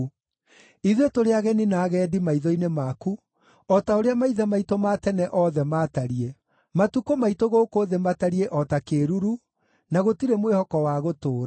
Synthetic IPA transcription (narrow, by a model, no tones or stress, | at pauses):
iðwetoɾeaɣɛninaːɣɛdimaiðɔinemaku | ɔtaoɾeamaiðɛmaitomatɛnɛʔɔðɛmaːtaɾie | matukomaitoɣoːkoðemataɾieʔɔtakeːɾuɾu | naɣotiɾemwehɔkɔwaɣotoːɾa